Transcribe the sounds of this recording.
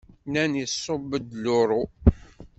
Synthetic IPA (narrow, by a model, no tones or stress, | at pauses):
nænjəsːobəd̪lʊɾˤo